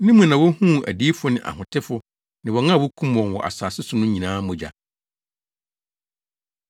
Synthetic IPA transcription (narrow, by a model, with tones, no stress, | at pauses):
nĩ˦mũ˨nã˨wɔ˦hũ˦˨æ̰˨di˦fʊ˦nɪ̃˨ʔa̰˨hʊ̃˨tʰɪ˦fʊ˦ | nɪ̃˨wɔ˨ŋã˦˨wʊ˦kʰũ˦m˨ɔ̃˨nwɔ̰˨ʔa̰˨saː˨sɪ˦sʊ˨nʊ̃˦ɲĩ˨nãː˦mʊ̃˨d͡ʑa̰˨